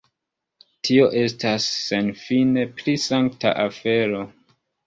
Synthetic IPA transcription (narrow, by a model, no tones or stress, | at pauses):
tʰio̞ʔe̞stasːe̞nfine̞pɾisaŋkta̰ʔafe̞ɾo̞